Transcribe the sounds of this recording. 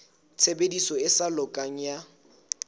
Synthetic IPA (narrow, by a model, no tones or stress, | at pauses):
t͡sʰebedisɔɪsalʊkʼaŋ̩ja